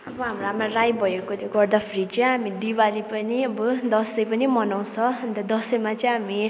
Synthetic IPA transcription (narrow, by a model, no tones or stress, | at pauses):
ʌbʌɦamramarajbʱʌjekot̪oɡʌrd̪apʰrit͡sʌj̃ɦamid̪iwalipʌniʌbʌd̪ʌslʌjpʌnimʌnaw̃t͡sʰʌʌnt̪ʌd̪ʌsʌjmat͡sʌj̃ɦami